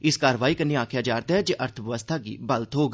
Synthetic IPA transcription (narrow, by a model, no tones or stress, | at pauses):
ɪskaːɾʋaːiːkənːeːaːkʰjaːd͡ʒaːɾd̪aːɦɛːd͡ʒeːʔəɾt̪ʰəʋɪʋəst̪ʰaːɡḭːbəlt̪ɦoːɡ